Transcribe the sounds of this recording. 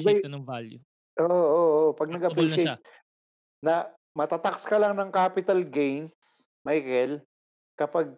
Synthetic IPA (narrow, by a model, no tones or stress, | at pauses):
bɐjt̪nɐŋvalju | ʔoːʔoʔopɐɡ̚nɐɡɐplɪke | nɐ | mɐt̪at̪ɐkskɐlɐŋnɐŋkaːpɪt̪ɐlɡejns | majkɛl | kɐpaɡ̚